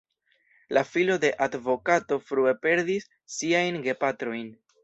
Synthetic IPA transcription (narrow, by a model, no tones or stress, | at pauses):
lafilo̞de̞ʔadvo̞kato̞fɾue̞pe̞ɾdisː | iajnɡe̞patɾo̞jn